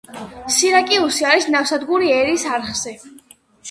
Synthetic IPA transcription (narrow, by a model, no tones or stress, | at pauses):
siɾakʼiusiaɾisnafsad̪ɡuɾiɛɾisaɾχz̥ɛ